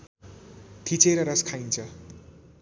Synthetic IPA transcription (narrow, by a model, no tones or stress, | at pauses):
t̪ʰit͡seɾʌɾʌskʰajnt͡sʰʌ